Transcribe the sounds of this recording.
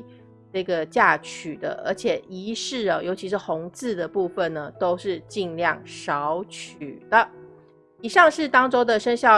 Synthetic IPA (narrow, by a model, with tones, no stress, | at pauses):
ʈ͡ʂɤ˥˩ɡə˩t͡ɕja˥˩t͡ɕʰy˨˩d̪ə̰˦ʔə̰˞˧˥t͡ɕʰjɛ˨˩i˧˥ʂɻ̩˥˩ə˩jo˧˥t͡ɕʰi˧˥ʂɻ̩˥˩xʊ˧˥ŋt͡sɹ̩˥˩d̪ə˩pu˥˧fə˨nnə˩t̪o˥ʊʂɻ̩˥˧t͡ɕi˥˧ŋljɑ˥˩ŋʂɑ˧˦ʊt͡ɕʰy˨˩d̪̥ə˦ | i˨˩ʂɑ˥˧ŋʂɻ̩˥˩t̪ɑ˥ŋʈ͡ʂo˥ʊd̪ə˨ʂə˥nɕjɑ˥˩